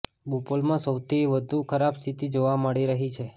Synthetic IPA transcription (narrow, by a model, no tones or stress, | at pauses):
bupolmãsəwt̪ʰiʋəd̪ʱukʰəɾabst̪ʰit̪id͡ʒoʋaməɭiɾəɦit͡ʃʰe